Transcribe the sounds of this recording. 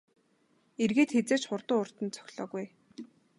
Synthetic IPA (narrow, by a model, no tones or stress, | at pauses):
erɣeːt̪xet͡seːt͡ɕχʊrt̪ʊːʊr̥t̪ə̆nt͡sʰœ̥xʲɮɔ̰ːɣuj